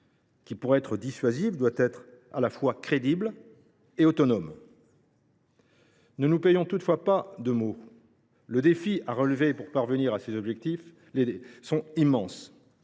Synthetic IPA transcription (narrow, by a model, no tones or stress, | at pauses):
kʲipuʁɛt̪χəd̪isɥazivd̪wat̪ɛt̪χa̰lafwakχed̪ibl | eot̪ɔnɔm | nənupejɔ̃t̪ut̪fwapad̪əmo | ləd̪efiaʁəlvepuʁpaʁvəniʁasezɔbʒɛk̚t̪if | lesɔ̃imːɑ̃s